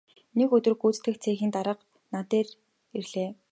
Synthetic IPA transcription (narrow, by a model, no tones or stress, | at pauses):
nekɵt̪ɵ̆rɡuːt͡st̪ɘ̆xt͡sʰeːxiːnt̪aɾə̆q | nat̪eːr | erɮeː